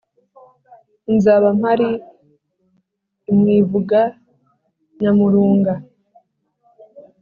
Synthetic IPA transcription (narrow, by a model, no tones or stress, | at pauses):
inzaβam̥haɾi | mŋiːvuɡa | ɲamuɾuːŋɡa